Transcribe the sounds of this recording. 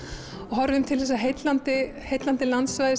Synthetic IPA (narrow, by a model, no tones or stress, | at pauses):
ɔɣɦɔɾɪʏmt̪ʰɪlθɛsːaɦejt̪lant̪ɪ | hejt̪lant̪ɪlant̪svajðɪ